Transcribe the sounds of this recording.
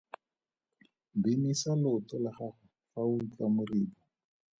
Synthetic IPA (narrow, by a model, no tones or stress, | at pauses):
binisalʊtɔlaχaχʊ | faut͡ɬʼamʊriːbɔ